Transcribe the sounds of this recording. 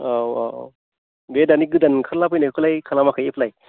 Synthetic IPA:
awa̰ | bedaniɡɯdankʰalapʰɯjnakʰɯlajkʰalamakʰajepʰlaj

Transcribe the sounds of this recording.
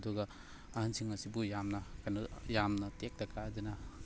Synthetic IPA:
duɡɐː | hansʰiŋɐsibujamnɐkanujamnɐtek̚dɐkadina

